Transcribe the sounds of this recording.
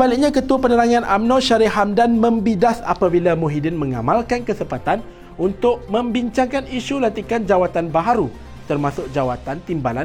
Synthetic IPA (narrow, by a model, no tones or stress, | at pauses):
əbalɪk̚ɲãkət̪uapənəɾaŋãnʔa̰mnɔ̃ʃaɾɪɦamdanmə̃mbidasa̰pabilamuɦidɪnmə̃ŋa̰malkankəsəpat̪an | unt̪ʊʔ̚mə̃mbiɲt͡ʃaŋkaniʃulant̪ikand͡ʒawat̪anbaɦaɾu | t̪ərmãsʊk̚d͡ʒawat̪ant̪imbalan